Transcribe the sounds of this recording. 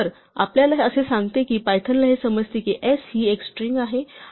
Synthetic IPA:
əɾ | a̰pljalaɦəsesaŋɡt̪ekiːpajt̪ʰənlaɦesəməd͡zt̪ekiʔesɦieksʈɾiŋɡaɦe

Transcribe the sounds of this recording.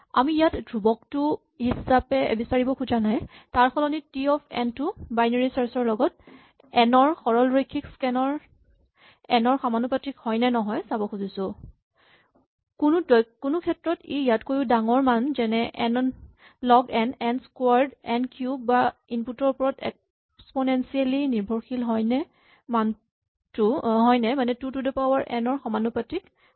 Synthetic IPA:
a̰miːjatdɹubɔk̚tʊ | hisapɛḛbisaɹibɔkʰud͡ʒanajtaɹxʰɔlɔnitiɔpʰɛ̰ntʊbajneɹisaɹsɔɹlɔɡɔt̚ | ɛnɔɹxɔɹɔlɹikʰːikskɛnɔɹ | ɛnɔɹxamanupatɹikhɔjnanɔɦɔjsabɔxʰuzisʊ | kunʊdɔkunukʰɛtɹɔtḛijatkoɹjuʊdaŋɔɹmanzɛnɛʔɛ̰n | lɔɡɛnɛnskaɹdɛnkʰjubːainputɔɹpɔɹɔtɛ̰k̚ | spɔnɛnsialiniɹbʱɔɹxilɦɔjnɛ | man | tʊɦɔjnɛmanɛtutudɛpawaɹʔɛ̰nɔɹxɔmanupatɹik

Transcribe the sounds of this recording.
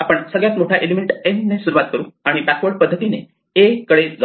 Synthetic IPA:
apəɳsəɡɭjat̪moʈʰaʔelimeɳʈenɖnesuɾuʋat̪̚kəɾuːaɽ̃ibækʋəɾɖpəd̪ʱːət̪ine | ekəɽed͡z

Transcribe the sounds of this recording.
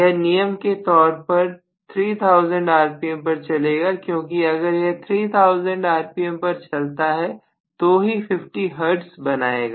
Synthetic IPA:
jɛnijəmket̪ɔːɾpɐɾ | t̪ʰɾiːt̪ʰaʊzə̃ɳɖaːɾpiə̃mpɐɾt͡ʃɐleːɡakjõːkiɐɡəɾjɛt̪ʰɾiːt̪ʰaʊzə̃ɳɖaːɾpijəmpɐɾt͡ʃɐlt̪aɦɛ | t̪oɦifɪfʈiɦɐɾɖsbɐnaːeːɡaː

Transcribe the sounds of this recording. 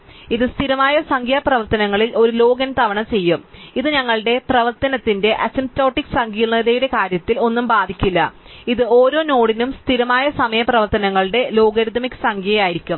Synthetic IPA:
iðɨst̪ʰiɾɐmaːjɐsɐŋɡʱjaːprɐʋɐrt̪ɐnɐŋːɐɭilo̞ɾulo̞ːɡɐnt̪ɐʋɐɳɐmt͡ɕe̞jːumiðɨɲɐŋːɐɭɨɽe̞prɐʋɐrt̪ɐnɐt̪ːinde̞ʔɐsimto̞ːʈːiksɐŋɡijilnɐðejuɽe̞kaːɾjɐt̪ːilo̞nːumbaːd̪ʱikʲːilːɐiðɨoːɾo̞ːno̞ːɽinumst̪ʰiɾɐmaːjɐsɐmɐjɐprɐʋɐrt̪ɐnɐŋːɐɭɨɽe̞lo̞ːɡɐɾd̪ʱɐmikːsɐŋɡʱjiɐjaːjiɾikʲːum

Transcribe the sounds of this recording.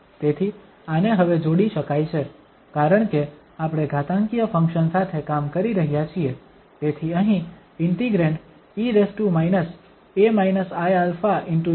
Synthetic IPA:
t̪et̪ʰi | aneɦəʋed͡ʒoɽiʃəkajt͡ʃʰe | kaɾəɳ̃ke | apɽ̃eɡʱat̪ãŋkijəfʰə̃ŋkʃənsat̪ʰekamkəɾiɾəɦjat͡ʃʰie | t̪et̪ʰiəɦĩ | ɪɳʈiɡɾẽɳʈ | iɾesʈumajnəs | emainəsajalfaʔɪɳʈu

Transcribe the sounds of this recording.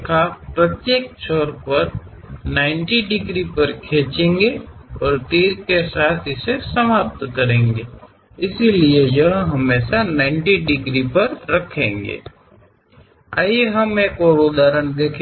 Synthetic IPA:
kʰapɾət̪jeːk̚t͡ʃɔːɾpɐɾ | nãːɪ̃ɳʈiɖɪɡɾipəɾkʰeːt͡ʃẽːŋɡeɔːɾt̪iːɾkesaːt̪ʰɪsesɐmaːp̚t̪kɐɾẽːŋɡeː | ɪsilied͡ʒəɦɦɐmeːsanãːɪɳʈiɖɪɡɾipɐɾɾɐkʰẽːŋɡḛː | a̰ːjeɦɐmeːkoːɾod̪aːɾənd̪eːkʰː

